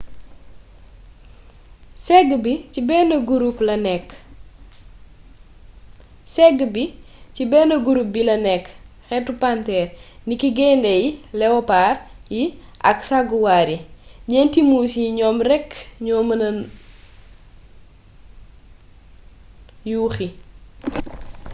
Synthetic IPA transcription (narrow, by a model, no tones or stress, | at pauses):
sɛɡbicibɛnɐɡuɾuplɐnɛkː | sɛɡbi | cibɛːnɐɡuɾup̚bilɐnɛkːxɛtupantɛrnikiɡɛndɛjilɛwɔpaːrjiʔɐksaɡuwaːɾiɲɛntimuːsiɲɔːmrɛkːɲɔmn | juːxi